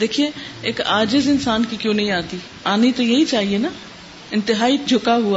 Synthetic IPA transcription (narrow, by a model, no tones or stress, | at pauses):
d̪eːkʰieːɪkaːd͡ʒɪzɪnsaːnkiːkjõːnə̃ĩːaːt̪iː | aːniːt̪õjeiːt͡ʃaːɦieːna | ɪnt̪ɪɦaːiːd͡ʒʱʊkaːɦʊaː